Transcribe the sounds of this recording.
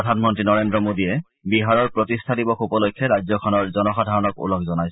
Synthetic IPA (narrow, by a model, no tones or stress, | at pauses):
ɔdʱanmɔntɹinɔɹendɹɔmodiɛ | biɦaɹɔɹpɹotistʰadibɔxubɔlojkʰːɛɹajzɔkʰɔnɔɹzɔnɔxadʱaɹɔnɔkṵlɔkʰzɔnajs